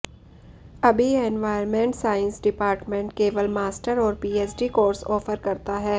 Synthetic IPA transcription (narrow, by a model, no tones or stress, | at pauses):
ɐbʱiɛnʋaːɪəɾmẽɳʈsaːɪ̃nsɖɪpaːɾʈmẽɳʈkeːʋəlmaːsʈəɾɔːɾpiːeːsɖikoːɾsɔːfəɾkɐɾt̪aɦɛː